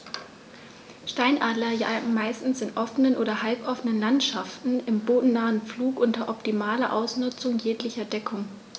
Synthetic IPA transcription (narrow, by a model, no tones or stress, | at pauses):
ʃtaɪnʔaːdlɐjaɡŋ̩maɪstn̩sɪntʔɔfənənʔoːɾɐhalpʔɔfənənlantʃaftn̩ɪmboːdn̩naːənp͡fluːkʔʊntɐʔɔptimaːlɐʔaʊsnʊt͡sʊŋjeːklɪçɐdɛkʰʊŋ